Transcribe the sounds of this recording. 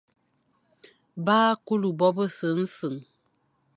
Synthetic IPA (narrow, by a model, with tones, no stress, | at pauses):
baː˦ku˦lu˨bɔ˦bə˦sə˨˦n̩˦sɨ˨ŋ